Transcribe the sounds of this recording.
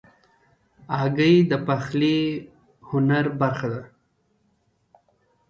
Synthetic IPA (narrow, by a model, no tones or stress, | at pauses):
ɑɡəjd̪əpaxli | hʊnaɾbaɾxad̪a